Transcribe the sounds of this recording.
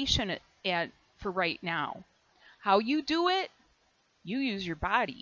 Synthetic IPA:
ɪʃɨ̃n | ɨt | fə˞ɹaɪtⁿnaʊ | haʊjɨdəɪt̚ | jɨjʉzjə˞bɑɾḭ

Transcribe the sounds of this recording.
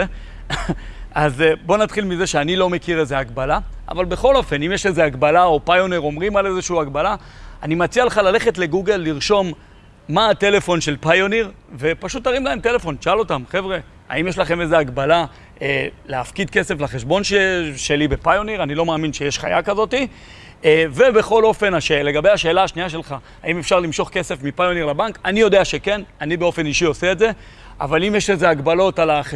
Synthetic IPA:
azbo̞nat̪χilmize̞ʃeanilo̞me̞kiʁe̞zeaɡbalaa̰valbe̞χo̞lo̞fe̞nimjeʃezeaɡbalao̞pajo̞niʁo̞mʁimale̞zeʃuuaɡbalaanimat͡sialeχalale̞χe̞tle̞ɡuɡe̞lːiʁʃo̞mː | aːte̞le̞fo̞nʃelpajoniʁ | ve̞paʃut̪aʁimlae̞mt̪e̞le̞fo̞nʃalo̞t̪amχevʁe̞ | a̰imjeʃ̬laχe̞mezeaɡbala | eleafkid̚ke̞se̞flaχeʃbo̞nʃeʃe̞libe̞pajo̞niʁanilo̞maːminʃe̞jeʃχa̰jakazo̞ti | ve̞be̞χo̞lo̞fe̞naʃele̞ɡabe̞jaʃe̞ːlaːʃniaʃe̞lχaːimefʃaʁlimʃo̞χke̞se̞fmipajo̞niʁlabaŋkanijo̞deaʃe̞ke̞nanibeo̞fe̞niʃio̞seeːtze̞ | a̰valimjeʃeze̞aɡbalo̞talaχe

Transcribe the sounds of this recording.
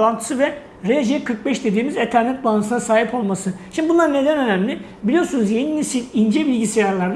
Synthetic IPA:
ant̪ʰɯ̥sɯvɛ | ɾeʒekʰɯɾk̚bɛʃd̪e̞d̪iːmizet̪ʰæɾnɛt̪̚banɯsɯnasaːɦipʰo̞lˠmasɯʃimd̪ibunlˠaɾɯne̞d̪ænønæmlʲɪ | bilʲijoɾsunuzjeninʲisinind͡ʒɛbilʲɟisijaɾlˠaɾd̪

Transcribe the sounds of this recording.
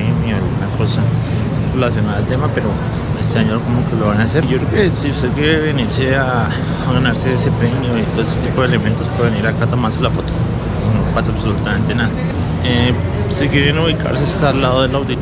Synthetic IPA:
eɲomioalɣunakʰosa | relas̬jonaðaelt̪emapeɾo | eseaɲoɾkomokeloβanaseɾʝokɾeokesiust̪eðkjeɾeβeniɾseaː | ɣanaɾseesepɾemjoit̪oeset̪ipoðelemẽnt̪ospaɾβeniɾakat̪omaɾselafot̪o | unopat͡saβsolut̪amẽnt̪enaða | e | sikjeɾenuβikʰa̰ɾs̬eest̪alaðoðelawd̪i

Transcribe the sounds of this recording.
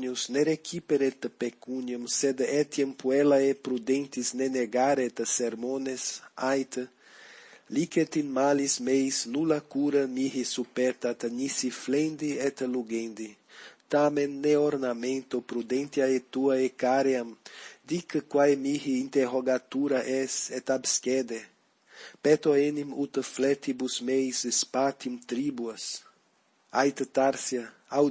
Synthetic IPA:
ɲusneɾekʰipeɾet̪pekuɲomsed̪ɛt̪jempuɛlaɛpɾud̪ẽnt̪isneneɡaɾet̪seɾmõnesajt̪ | liket̪inmalismejsnulakuɾɐmiɦisupɛɾt̪at̪ɲisiflẽnd̪iɛt̪luɡẽnd̪it̪amẽnːeoɾnamẽnt̪opɾud̪ẽnt̪jaet̪uaekaɾeamd̪ikkwajmiɦiint̪eroɡat̪uɾɐʔɛsɛt̪abskɛd̪e | pɛt̪oenimut̪əflɛt̪ibusmejsespat̪imt̪ɾibuɐs | ajt̪t̪aɾsjɐ | a

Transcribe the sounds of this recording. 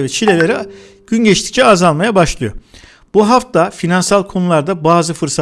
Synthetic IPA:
ɾɛt͡ʃʰilʲe̞lʲeɾi | ɟ̥ynɟɛt͡ʃt̪ʰi̥c̚t͡ʃʰɛazalˠmajabaʃlˠɯjo | b̥uɦaft̪afinansalˠkʰo̞nulˠaɾd̪abaːzɯfɯɾsa

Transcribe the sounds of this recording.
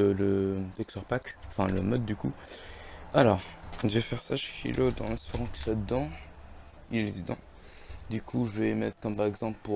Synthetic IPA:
ələt̪ɛksɔʁpakɑ̃fɛ̃ləmɔd̪ːyku | alɔʁʒəvɛfɛʁsaʃkḭlʔod̪ɑ̃lɛ̃speʁɑ̃kə̥swad̪əd̪ɑ̃ | ilɛd̪əd̪ɑ̰̃ | d̪ykʰuʒəvɛmɛt̪χkɔmpaʁɛɡzɑ̃plpu

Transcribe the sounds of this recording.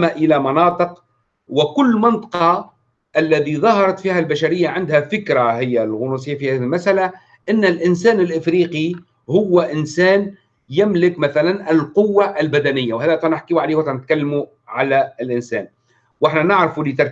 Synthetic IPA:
maʔɪlamɑnɑːt̪ˤɨq | wɪkʊlːmɪnt̪ˤɑ̥qɑ | ʔalːæt̪iðˤɑhɑɾˤɑt̪fiːhælbaʃaɾɪjːaʕɪnd̪hafɪkɾahɪjːalɣʊnuːs̬ˤɪjːafihæːðiɪlmasʔala | ʔɪnːɪlʔɪnsæːnɪlʔɪfɾiːqi | hʊwːaʔɪnsæːn | jɪmlɪkmaθalanɪlqʊwːaʔlbad̪ænɪjːawhæːðæt̪ˤɑnɪħkiːwʕaleːhwat̪ˤɑnɪt̪̚kalːmu | ʕalæɪlʔɪnsæ̰ːn | wʔɪħnanɪʕɾɪfulɪt̪ɑɾˤ

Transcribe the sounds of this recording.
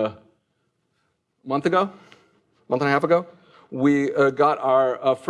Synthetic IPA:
mʌ̃nθɨɡoʊ | mʌ̃nθə̃nəhæfəɡoʊ | wiʌɡɑɾaə˞ʌf

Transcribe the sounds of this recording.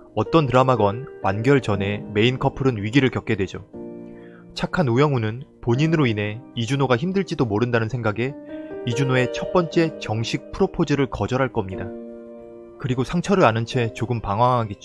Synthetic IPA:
ʌt͈ʌntɯɾamaɡʌnwanɡjʌɭt͡ɕʌne̞me̞inkʰʌpʰɯɾɯnɥiɡiɾɯɭkjʌk͈̚edwe̞d͡ʑo | t͡ɕʰakʰanujʌŋunɯnpoɲinɯɾoinɦe̞id͡ʑunoɡaçimdɯɭt͡ɕ͈idomoɾɯndanɯnsʰe̞ŋɡaɡe̞id͡ʑunoe̞t͡ɕʰʌt̚p͈ʌnt͡ɕ͈e̞t͡ɕʌŋɕʰik̚pʰɯɾopʰod͡ʑiɾɯɭkʌd͡ʑʌɾɦaɭk͈ʌmɲida | kɯɾiɡosʰaŋt͡ɕʰʌɾɯɭanɯnt͡ɕʰe̞t͡ɕoɡɯmpaŋɦwaŋɦaɡe̞t̚t͡ɕ͈o

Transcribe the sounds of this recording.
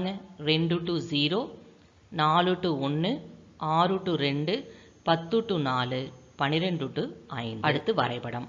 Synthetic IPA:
ŋɐɾɛɳɖɯʈːɯziːɾoː | naːlɯʈːɯɔnːɯʔaːɾɯʈːɯɾɛɳɖɯ | pɐt̪ːɯʈːɯnaːlɯpɐnɪɾɛɳɖɯʈːɯɐ̰jɪnd̪ɐɐɽɯt̪ːɯʋɐ̰ɾɐɪpːɐɽɐm

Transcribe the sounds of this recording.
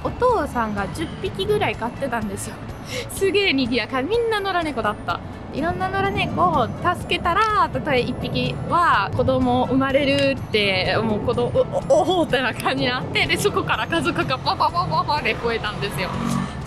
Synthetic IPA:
o̞t̪o̞ːsãŋɡad͡ʑɨpʲːikʲiɡɯ̟ɾaikat̪ːe̞t̪ãnd̪e̞sɨjo̞ | sɨɡe̞ːɲiɡʲijakamʲĩnːano̞ɾane̞ko̞d̪at̪ːa̰ | iɾõ̞nːano̞ɾane̞ko̞ːt̪asɨ̥ke̞t̪aɾat̪at̪o̞eipʲːikʲiβako̞d̪o̞mo̞ʔɯ̟maɾe̞ɾɯ̟t̪ːe̞moːkod̪ooɦoːt̪enakʰãɲ̟ːinat̪ːe̞d̪e̞so̞ko̞kaɾakazokɯkaaɦaɦaɦaɸaɾeɸoe̞t̪ãnd̪e̞sɨjo̞

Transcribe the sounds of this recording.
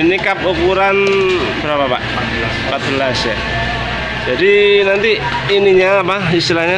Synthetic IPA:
inikap̚ukuɾanbəɾapapa̰ʔ | pat̪̚bəlasja̰ | d͡ʒadinant̪iː | niɲaːpaist̪ilaɲa

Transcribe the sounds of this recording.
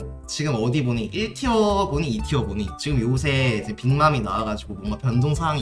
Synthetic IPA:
t͡ɕiɡɯmʌdiboɲiʔiɭtʰiʌboɲiːtʰiʌboɲit͡ɕiɡɯmjousʰe̞id͡ʑepiŋmaminaaɡad͡ʑiɡobʌŋɡapjʌndʰoŋsʰaaŋi

